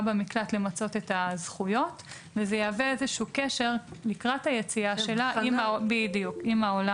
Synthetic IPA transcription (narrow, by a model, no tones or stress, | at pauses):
bemiklatle̞mat͡so̞t̪etazχujo̞t | vezejaːveezeʃuːkeʃeʁlikʁathajet͡siaʃe̞laibidijukimaola